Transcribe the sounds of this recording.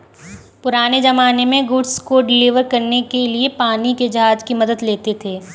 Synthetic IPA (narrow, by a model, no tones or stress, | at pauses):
pʊɾaːned͡ʒɐmaːnemẽɡʊɖskoɖɪliːʋəɾkɐɾnekeliepaːniked͡ʒɐɦaːd͡ʒkimɐd̪əd̪leːt̪et̪ʰeː